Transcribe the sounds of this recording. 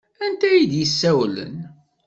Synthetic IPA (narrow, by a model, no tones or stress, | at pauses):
ænt̪æjid̪jəsːæwlə̰n